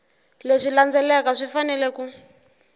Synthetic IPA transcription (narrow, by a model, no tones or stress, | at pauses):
leʂiland͡zɛlɛkaʂifanɛlɛku